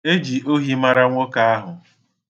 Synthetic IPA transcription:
e˦d͡ʒi˨ʔo˦ɦi˦ma˦ɾa˦ŋʷo˦ka˦a˦ɦʊ˨

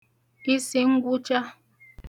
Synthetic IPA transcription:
i˦se˨˦ŋ̩˦ɡu˦t͡ʃa˦

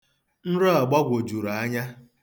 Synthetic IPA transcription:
n̩˦ɾɔ˦a˨ɡ͡ba˦ɡʷo˨d͡ʒu˨ɾa˨a˦ɲa˦

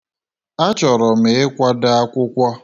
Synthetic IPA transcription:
a˦t͡ʃɔ˨ɾɔ˨me˨ɪ˦kʷa˦da˦a˦kʷʊ˦kʷɔ˦

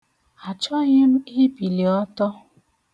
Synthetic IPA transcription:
a˨t͡ʃɔ˦ɣɪ˦m̩˦ɪ˦pi˨li˨ɔ˦tɔ˦

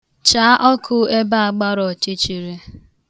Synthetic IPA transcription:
t͡ʃa˨˦ʔɔ˦kʰʊ˦e˦ba˦a˨ɡ͡ba˦ɾɔ˨t͡ʃɪ˦t͡ʃi˨ɾe˦

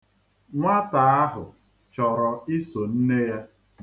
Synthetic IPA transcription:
ŋʷa˦ta˨a˦ɦʊ˨ | t͡ʃɔ˨ɾɔ˨i˦so˨n̩˦ne˦ja˦

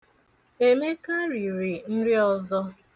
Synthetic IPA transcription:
e˦me˦ka˦ɾi˨ɾi˨n̩˦ɾɪ˦ɔ˦zɔ˦

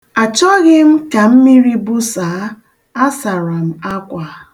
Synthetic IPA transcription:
a˨t͡ʃɔ˦ɣɪ˦m̩˦ka˨m̩˦mi˦ɾi˦bʊ˦saː˨˦ | a˦sa˨ɾa˨m̩˨a˦kʷa˨˦

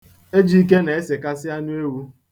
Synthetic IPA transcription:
e˦d͡ʒi˦i˦k̬e˦na˨e˦se˨ka˦sɪ˦a˦nʊ˦e˦wu˦

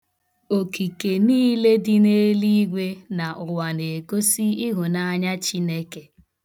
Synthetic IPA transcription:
o˨ki˨ke˨niː˦le˦dɪ˦ne˦li˦ɡʷe˦na˨ʔʊ˨wa˨ne˨ko˦si˦i˦ɦʊ˨na˦ɲa˦t͡ʃi˦ne˦ke˨

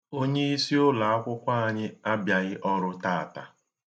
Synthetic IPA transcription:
o˦ɲe˦i˦si˦ʊ˦la˨a˦kʷʊ˦kʷa˦a˨ɲɪ˦a˦bja˨ɣɪ˦ʔɔ˦ɾʊ˦taː˦a˨ta̰˨

